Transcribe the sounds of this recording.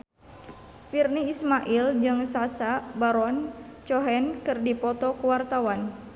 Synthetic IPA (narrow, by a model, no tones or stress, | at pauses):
firniːsmaʔild͡ʒɨŋsasabaɾɔnt͡ʃɔɦɛnkɨrdipɔt̪ɔkəwart̪awan